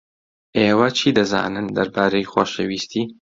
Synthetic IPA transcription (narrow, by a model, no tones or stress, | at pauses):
ʔeːwɐt͡ʃʰiːd̪ɐza̰ːnɨnd̪ɐɾbaːɾejxoːʃewiːst̪ʰiː